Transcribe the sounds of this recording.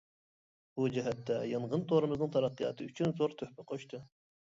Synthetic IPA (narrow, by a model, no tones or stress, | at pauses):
b̥ud͡ʒɪɦɛt̪ːɛjɨɴʁənt̪ʰoɾɨmɨznɨŋt̪ʰɑɾɑqːɨjɑ̰t̪ʰɨyt͡ʃʰynzoɾt̪ʰøhpɪqʰoʃt̪ʰɨ